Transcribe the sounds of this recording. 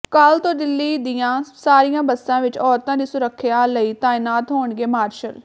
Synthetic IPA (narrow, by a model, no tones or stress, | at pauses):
kaːlt̪õːd̪ɪlːiːd̪ɪjãːsaːɾijãːbəsːãːʋɪt͡ʃɔːɾt̪ãːd̪iːsʊɾəkʰːɪjaːləiːt̪aːɪnaːt̪ɦoːɳɡeːmaːɾʃəl